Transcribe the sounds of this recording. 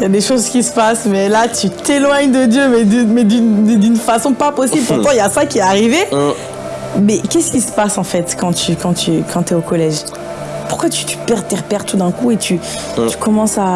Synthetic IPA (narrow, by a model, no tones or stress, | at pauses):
jad̪eʃozkʲisə̥pasmɛlat̪yt̪elwaɲd̪əd̪jømɛd̪ymɛd̪ynd̪d̪ynfasɔ̃papɔsiblpuʁt̪ɑ̃iljasakʲiɛaʁive | mɛkʲɛsə̥kʲisə̥pasɑ̃fɛt̪kɑ̃t̪ʰykɑ̃t̪ykʰɑ̃t̪yɛokɔlɛʒ | puʁkwat̪y̥t̪y̥pɛʁt̪ɛʁpɛʁt̪ud̪ɛ̃kuet̪y | t̪y̥kɔmɑ̃sa